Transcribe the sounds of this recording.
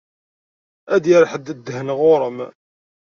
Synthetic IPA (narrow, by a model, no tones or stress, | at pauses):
æd̪jəɾħəd̪əd̪ːhənʁoɾˤəm